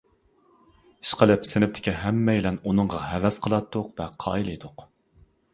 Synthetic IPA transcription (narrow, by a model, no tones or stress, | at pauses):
i̥ʃqəlɪpsɪnɪp̚t̪ʰɪ̥kʲiɦɛmːɛjlɛnunɨɴʁɑɦɛvɛsqʰəlˠɑt̪ʰːʊqvɛqʰɑ̰ːilˠɨjd̪ʊq